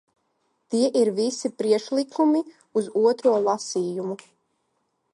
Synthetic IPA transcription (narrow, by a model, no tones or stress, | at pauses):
t̪iɛʔiɾvisipɾiɛkʃlˠikʰumi | uzuɔt̪ɾuɔlˠasiːjumu